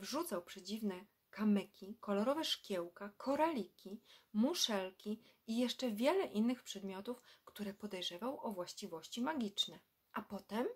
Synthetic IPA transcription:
vʐut̪sawpʂɛd͡ʑivnɛ | kamɛkʲikɔlɔɾɔvɛʂkʲjɛwkakʰɔɾalʲikʲimuʂɛlkʲi | ijɛʂt͡ʂɛvʲjɛlɛʔinːɘxpʂɛd̪mʲjɔt̪ufkt̪uɾɛpɔd̪ɛjʐɛvawʔɔvwaɕt͡ɕivɔɕt͡ɕimaɡʲit͡ʂnɛ | ʔapɔt̪ɛm

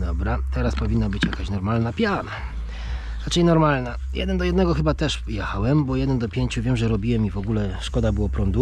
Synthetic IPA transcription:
d̪ɔbɾat̪ɛɾaspɔvʲinːabɘt͡ɕjakaɕnɔɾmalnapʲjana | ɾat͡ʂɘjnɔɾmalna | jʔɛ̰d̪ɛnd̪ɔjɛd̪nɛɡɔxɘbat̪ɛʂjɛxawɛmbɔjɛd̪ɛnd̪ɔpʲjeɲt͡ɕuvʲɛmʐɛɾɔbʲiwɛmivɔɡulɛʂkɔd̪abɘwɔpɾɔnd̪u

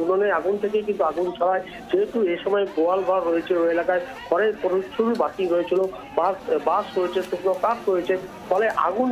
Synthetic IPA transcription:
unoneaɡunt̪ʰek̬ejkint̪uaɡunt͡ʃʰɔɾae | d͡ʑeɦeʈueʃɔmɔeɡoalɡʱɔɾːoet͡ɕʰiloelakae | kʰɔɾepoɾuʃuɾubat̪iɾojet͡ɕʰilo | babasɾoet͡ɕʰet̪uknokapɾojet͡ɕʰe | fɔleʔa̰ɡun

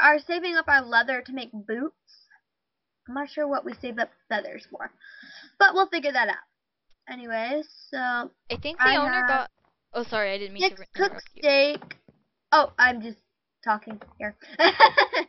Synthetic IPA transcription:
ʔə˞seɪvɪ̃ŋʌpə˞lɛðə˞ɾɨmeɪk̚b̥ʉts | ãɪ̃mnətʃʊɹwʌʔ̚wiseɪvʌp̚fɛðə̰˞z̥fɔ̰ɹb̥ʌʔ̚wilˠfɪɡjə˞ðɨɾʌ̰ʊt̚ | ɛniweɪz̥soʊ | aɪθɪ̃ŋk̚aiõnə˞ɔt | ʔoʊsɑɹiaɪdɪdⁿn̩ĩnɛkkʰʊksteɪk | oʊʔãɪ̃md͡ʒʌs | tʰɔkɪ̃ŋhiɹ

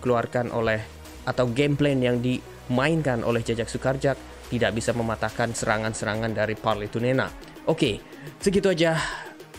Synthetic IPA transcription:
kəluarkanʔo̰lɛh | ʔat̪awɡemplenjaŋdi | mainkanʔo̰lɛhd͡ʒad͡ʒak̚sukard͡ʒak̚ | t̪idak̚bisaməmat̪akansəɾaŋansəɾaŋandaɾiparlit̪unena̰ | ʔoke | səɡit̪uad͡ʒah

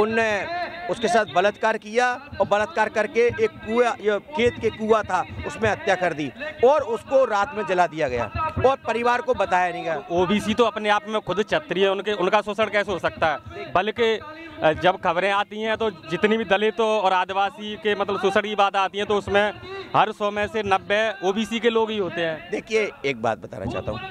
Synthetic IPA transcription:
ʊnːeʊskesaːt̪ʰbɐlət̪kaːɾkijaɔːɾbɐlət̪̚kaːɾkɐɾkeeːkːuajekʰeːt̪kekːuːat̪ʰaʊsmẽɐt̪jakɐɾd̪iːɔːɾʊskoɾaːt̪mẽd͡ʒɐlad̪ijaɡɐja̰ːɔːɾpɐɾɪʋaːɾkobɐt̪aːjanɦĩɡɐjaoːbiːsit̪oɐpneaːpmẽkʰʊd̪t͡ʃʰɐt̪ːɾiɦɛʊnkeʊnkasʊsəɽkɛːseɦosɐk̚t̪aɦɛːbɐlke | d͡ʒɐbkɐβɾẽaːt̪iɦɛ̃t̪od͡ʒɪt̪nibʱid̪ɐlet̪oɔːɾaːd̪ɪʋaːsikemɐt̪ləbsʊsəɽkibaːt̪aːt̪iɦɛ̃t̪oʊsmẽɦɐɾsɔːmɛ̃senɐbːeoːbiːsikeloːɡɦiɦoːt̪eɦɛ̃ːd̪eːkʰijeeːk̚ba̰ːt̪̚bət̪a̰ːna̰t͡ʃa̰ːɦt̪a̰ɦṵ̃

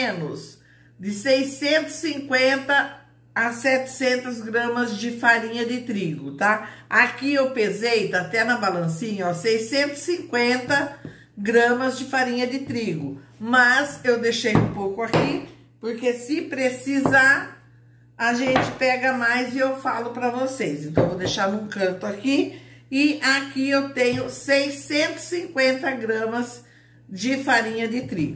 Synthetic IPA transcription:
ẽnʊs | d̪ɪsejsẽnt̪ʊ̥sĩŋkwẽnt̪ɐː | sɛt͡ʃ̪ɪ̥sẽnt̪ɐzɡɾɐ̃mɐzd͡ʒɪfaɾĩɲɐd̪ɪt̪ɾiɡʊt̪aakiewpezejt̪aat̪ɛnɐbalɐ̃sĩɲɐɔsejsẽnt̪ʊ̥sĩŋkwẽnt̪ɐ | ɡɾɐ̃mɐzd͡ʒɪfaɾĩɲɐd̪ɪt̪ɾiɡʊmɐzewd̪eʃejũpowkʊaki | poɾkesɪpɾesizaɾ | aʒẽnt͡ʃɪpɛɡɐmajzɪewfalʊpɾɐvosesẽnɐ̃w̃ẽvod̪eʃaɾnũkɐ̃nt̪ʊakiɪakiewt̪ẽɲʊsejsẽnt̪ʊ̥sĩkwẽnt̪ɐɡɾɐ̃mɐz | d͡ʒɪfaɾĩɲɐd͡ʒ̪ɪt̪ɾḭɡʊ

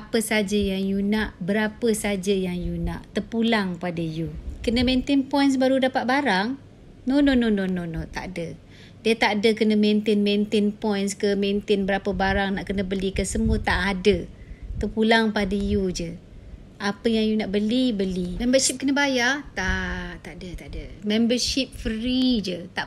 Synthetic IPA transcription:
apəsad͡ʒəjaŋjunaʔbəɾapəsad͡ʒəjaŋjuna̰ʔt̪əpulaŋpadəjukənəmẽnt̪ɪnpɔjns̬baɾudapat̪̚baɾaŋ | nonononononot̪a̰ʔdə | diət̪aʔdəkənəment̪ɪnment̪ɪnpɔjnskəment̪ɪnbəɾapəbaɾaŋnaʔkənəbəlikəsəmuət̪aʔadət̪əpulaŋpadəjud͡ʒə | ʔapəjaŋjunaʔbəlibəlimɛmbəsip̚kənəbajat̪at̪aʔdət̪aʔdəmɛmbəʃip̚fəɾid͡ʒət̪aʔ

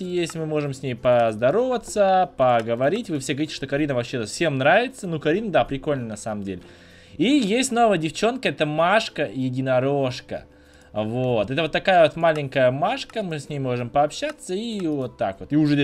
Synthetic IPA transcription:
jesʲlʲɪmɨmo̞ʐɨmsʲnʲejpəzd̪ɐɾo̞vət̪səpəɡəvɐɾʲitʲvɨfsʲeɡəvɐɾʲitʲɪ̥ʂt̪o̞kɐɾʲinəvɐpɕːeɛt̪əfsʲe̞mnɾavʲɪt̪sənukɐɾʲinəd̪apɾʲɪko̞lʲnənɐsaməmdʲelʲɪ | ijesʲtʲno̞vəjədʲɪft͡ɕo̞nkəɛt̪əmaʂkəjɪdʲɪnɐɾoʂkə̰ | vo̞t̪ɛt̪əvot̪ːɐkajəvo̞t̪malʲɪŋʲkəjəmaʂkəmɨsʲnʲejmo̞ʐɨmpəːpɕːat̪sːəivo̞t̪ːa̰kvo̞t̪iʊʐɛ

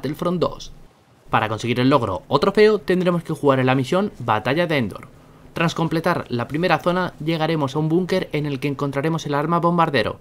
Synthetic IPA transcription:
t̪elfɾo̞nd̪o̞̰s | paɾako̞nse̞ɣ̞iɾe̞lːo̞ɣ̞ɾo̞̰ot̪ɾo̞fe̞ot̪e̞nd̪ɾe̞mo̞ske̞xuɣaɾe̞lamisjo̞nbat̪aʝaðeend̪o̞̰ɾ | t̪ɾasko̞mple̞t̪aɾlapɾime̞ɾaθo̞naʎe̞ɣ̞aɾe̞mo̞saumbuŋke̞ɾe̞ne̞lke̞ːŋko̞nt̪ɾaɾe̞mo̞se̞laɾmaβo̞mbaɾðe̞ɾo̞̰

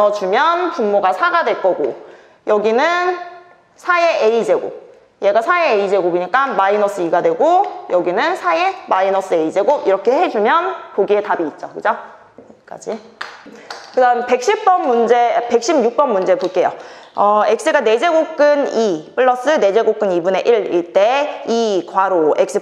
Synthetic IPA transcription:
ʌd͡ʑumjʌnpummːoɡasʰaɡadwe̞ɭk͈ʌɡo | jʌɡinɯn | sʰaeʔeid͡ʑe̞ɡo̰ | je̞ɡasʰaeːid͡ʑe̞ɡoboɲik͈amainʌs͈ʰɯiɡadwe̞ɡojʌɡinɯnsʰaemainʌs͈ɯeid͡ʑe̞ɡoiɾʌkʰe̞he̞d͡ʑumjʌnpoɡie̞tabiːt̚t͡ɕ͈okɯd͡ʑo | k͈a̰d͡ʑi | kɯdanpe̞k̚ɕ͈ip̚p͈ʌnːund͡ʑe̞pe̞k̚ɕ͈imjuk̚p͈ʌnːund͡ʑepoɭk͈e̞joʌek̚s͈ɯɡane̞d͡ʑe̞ɡok͈ɯnip͈ɯɭːʌs͈ɯne̞d͡ʑe̞ɡok͈ɯnibune̞ʔiɭiɭt͈e̞ikwaɾoek̚s͈ɯ

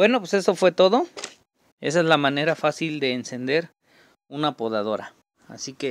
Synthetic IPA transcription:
bwe̞nopwese̞sofwe̞t̪o̞ðo | e̞̰s̬aezlamãne̞ɾafasild̪e̞ːnse̞nd̪e̞ɾ | unapoðað̞o̞ɾa̰ | a̰sike

